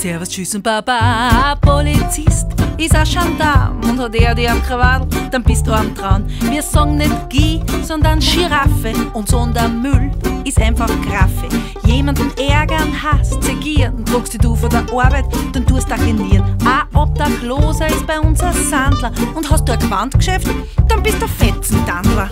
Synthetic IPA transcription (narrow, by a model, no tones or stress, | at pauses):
sɛɐvɐstʃysʊnpapapʰolit͡sɪstɪsaʃandaːnʊ̃nthɔteədiamkʁavadl̩d̥anb̥ɪst̚d̥̪uamtʁaʊnviːɐsɔɡŋnɛtɡ̥iːsɔndɐnʃiʁafəʊ̃ntsondəmylɪsãɪnfaxkʁafɛ | jeːmandn̩ɛɐɡɐnhastseɡ̥iːnʊntʁʊkstiduːfɔdɐʔɔɐbɛɪtd̥and̥uɐstaɡeniːɐnʔaʔɔp̚d̥axloːzɐɪsb̥aɪʊnsasandlɐʊnthɑst̚d̥uːaɡvantkʃɛft | d̥anb̥ɪst̚d̥ufɛtsn̩tandlɐ